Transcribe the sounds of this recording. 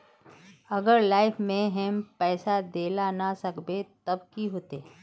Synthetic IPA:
ɐɡəɾlaːɪfmẽɦɛ̃mpɛːsad̪eːlanasɐkbet̪ɐb̚kiɦoːt̪eː

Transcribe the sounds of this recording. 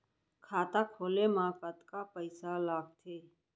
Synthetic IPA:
kʰaːt̪akʰoːlemãkət̪kapəɪsalaːɡ̚t̪ʰeː

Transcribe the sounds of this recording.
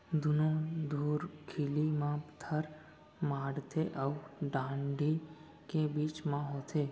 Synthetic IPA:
d̪ʊnõd̪uːɾkʰiːlimãpt̪ʰəɾ | maːɽt̪ʰeʔɔɖãːɳɖʱi | kebiːt͡ʃmãɦoːt̪ʰeː

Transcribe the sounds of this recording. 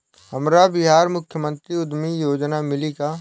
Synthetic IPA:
həmɾabɪɦaːɾmʊkʰjəmə̃nt̪ɾiʊd̪mijoːd͡ʒnamɪlika

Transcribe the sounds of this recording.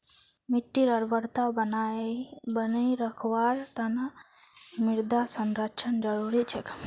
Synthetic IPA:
miʈːiɾəɾbəɽt̪awn | bənejɾəkʰwaɾt̪ana | miɾd̪asənɾət͡ʃʰənd͡ʒəɾuɾit͡ʃʰɛk

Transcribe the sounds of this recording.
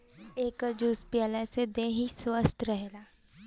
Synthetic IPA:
eːkəɾd͡ʒuːspjəlesed̪ẽɦiswəst̪ʰɾəɦelaː

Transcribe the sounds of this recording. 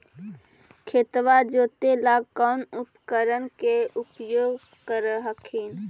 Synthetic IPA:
kʰeːt̪ʋad͡ʒoːt̪elaːɡkanʊpkəɾənkeʊpjoːɡ | kəɾɦəkʰiːn

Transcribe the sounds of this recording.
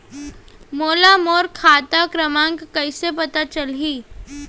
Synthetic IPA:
moːlamoːɾkʰaːt̪akɾɐmãːŋɡkɐisepɐt̪at͡ʃɐlɦiː

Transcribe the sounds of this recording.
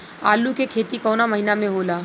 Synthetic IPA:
aːlukekʰeːt̪ikɔːnamɐɦinamẽɦoːlaː

